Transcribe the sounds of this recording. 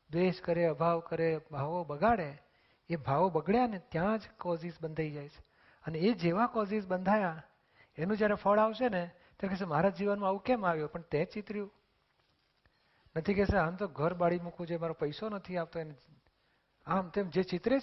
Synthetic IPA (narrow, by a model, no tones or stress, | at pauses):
d̪eʃkəɾeəbʱaʋkəɾebʱaʋobəɡaɭeː | bʱaʋobəɡɭjanet̪jãd͡ʒkɔzisbənd̪ʱaid͡ʒajt͡ʃʰe̥ | əneːd͡ʒeʋakɔsisbənd̪ʱaja | enũd͡ʒjaɾɛfʰəɭaʋʃene | t̪jaɾkɛs̬emaɾad͡ʒiʋənmãaʋũkɛmaʋjopəɳt̪ɛ̃t͡ʃɪt̪ɾjũ | nət̪ʰikɛseamt̪oɡʱəɾbaɽimukʰũd͡ʒemaɾopəjsonət̪ʰiaʋt̪oene | amt̪emd͡ʒet͡ʃɪt̪ɾe